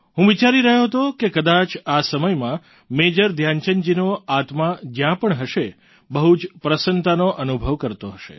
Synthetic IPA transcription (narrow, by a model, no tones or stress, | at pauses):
ɦũʋit͡ʃaɾiɾəɦjoɦət̪okekəd̪at͡ʃasəməjmã | med͡ʒəɾd̪ʱjant͡ʃənd͡ʒinoat̪mãd͡ʒjãpəɳɦəʃe | bəɦud͡ʒpɾəsənt̪anoʔənubʱəʋkəɾt̪oɦəʃḛ